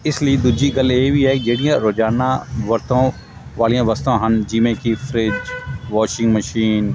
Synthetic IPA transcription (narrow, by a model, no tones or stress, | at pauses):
ɪslied̪ʊd͡ʒiɡɐleːbʱiɦɛːd͡ʒeːɽijãɾoːd͡ʒaːnaʋɐɾt̪ʰõ | ʋaːlijãʋɐst̪õɦɐnd͡ʒiːmẽkifʰɾɪd͡ʒʋɔːʃɪ̃ŋɡmɐʃiːn